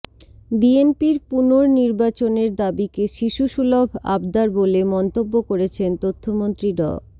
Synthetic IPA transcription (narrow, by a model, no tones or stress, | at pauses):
bienpiɾpunoɾniɾbat͡ɕoneɾd̪abikeʃiʃuʃulobʱa̰bd̪aɾbolemɔnt̪obːokoɾet͡ɕʰent̪ot̪ʰːomont̪ɾiɖɔ̰